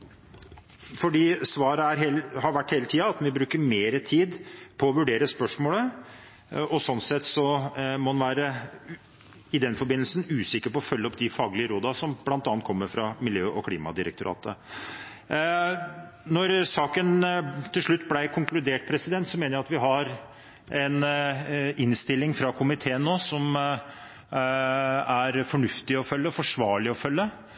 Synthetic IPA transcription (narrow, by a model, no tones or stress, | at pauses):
fɔɖiːsʋɑːɾəæɾɦehɑɾʋæʈːheːlət̪ʰiːɑɑt̪ʋɪbɾʉːkəɾmeːɾət̪ʰiːd̪pʰɔɔʋʉɖeːɾəspœʂmoːlə | ɔsɔnsɛt̪ːsɔmɔhɑnʋæːɾə | ɪd̪ɛnfɔɾbɪnəlsnʉːsɪkːəɾpɔɔfœlːəɔpːd̪ɪfɑːɡlɪəɾoːd̪ɑsɔmb̥lɑnt̪ɑːnt̪kʰɔmːəɾfɾɑmɪljøːʔɔkʰliːmɑ̰d̪ɪɾəkt̪ʊɾɑ̰ːt̪ə̰ | nɔɾsɑːkənt̪ʰɪlʂɭʉt̪ːblæɪkʰʊŋklʉd̪eːʈ̚pʰɾɛsɪd̪ɛnt̪sɔmeːnəɾjæɑt̪ʋɪɦɑɾ | ɛn | ɪnst̪ɪlːɪŋfɾɑkʰʊmɪt̪ʰeːənːoːsɔm | æɾfɔɳʉft̪ɪɔfœlːəɔfɔʂʋɑːɭɪɔfœlːə